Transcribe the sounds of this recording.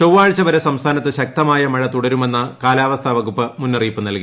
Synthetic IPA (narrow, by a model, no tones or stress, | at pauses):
t͡ɕowʋaːɻt͡ɕːɐʋɐɾɐsɐmst̪ʰaːnɐt̪ːɨɕɐk̚t̪ɐmaːjɐmɐɻɐt̪uɽɐɾume̞nːɐkaːlaːʋɐst̪ʰɐʋɐɣupːɨmunːɐriːpːɨnɐlki